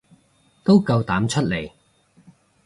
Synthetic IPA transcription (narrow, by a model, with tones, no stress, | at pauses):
t̪o˥wkɐ˧wt̪aː˨˥mt͡ʃʰɵ˥t̚le˨˩j